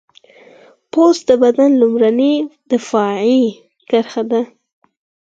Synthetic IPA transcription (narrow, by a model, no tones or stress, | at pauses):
pozd̪əbad̪anlumɾanid̪̥əfɑʕi | kaɾxad̪a